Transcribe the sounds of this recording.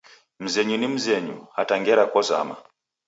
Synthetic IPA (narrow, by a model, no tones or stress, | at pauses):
m̩zɛɲunim̩zɛɲṵhataŋɡɛɾakɔza̰ma̰